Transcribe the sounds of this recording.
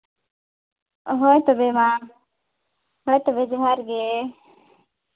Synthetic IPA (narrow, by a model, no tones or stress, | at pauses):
ɦoːet̪obeːmãː | ɦoːjt̪obeːd͡ʒɦaːɾɡe